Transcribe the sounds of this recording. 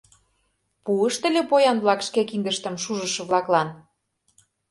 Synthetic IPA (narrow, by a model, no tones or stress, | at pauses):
puəʃt̪ə̆lʲepojɑnβlɑkʃkekind̪əʃt̪ə̆mʃuʒə̆ʃɤ̆βlɑklɑn